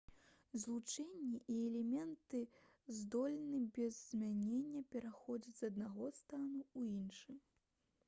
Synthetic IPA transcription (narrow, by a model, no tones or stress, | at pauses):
zlˠut͡ʂɛnʲːɛʔiɛlʲɛmʲɛnt̪ɨ | zd̪ɔlʲnɨbʲɛzːmʲanʲenʲːɐpʲɛɾaxɔd͡zʲɐd͡zʲzɐd̪naɣɔst̪anuuinʂɨm